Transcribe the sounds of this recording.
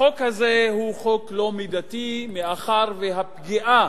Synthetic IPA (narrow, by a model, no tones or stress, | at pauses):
okhazehuχo̞klo̞mid̪at̪imeaχaʁveɦapɡiʔa